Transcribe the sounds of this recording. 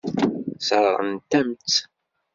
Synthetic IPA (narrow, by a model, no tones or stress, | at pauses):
səɾˤɾˤə̰nt̪æmt͡s